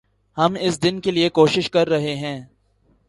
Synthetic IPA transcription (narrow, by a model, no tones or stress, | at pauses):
hɐmɪsd̪ɪnkeliekoːʃɪʃkɐɾːɐɦeɦɛ̃ː